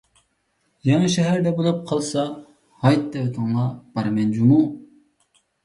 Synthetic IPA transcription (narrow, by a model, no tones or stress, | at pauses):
jɑŋɑʃɛɦæɾd̪ɛbolˠɑp̚qʰɑlˠsɑ | hɑjt̪̚d̪ɛwt̪ʰəŋlˠɑb̥ɑɾmɛnd͡ʒumu